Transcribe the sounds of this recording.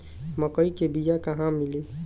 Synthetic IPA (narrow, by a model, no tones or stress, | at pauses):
məkəikebijakəɦãmili